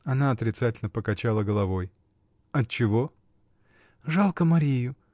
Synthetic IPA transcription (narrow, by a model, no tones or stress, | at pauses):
ɐnaɐt̪ɾʲɪt̪satʲɪlʲnəpəkɐt͡ɕalˠəɡəlˠɐvo̞j | ɐt̚t͡ɕɪvo̞ | ʐalˠkəmɐɾʲijʊ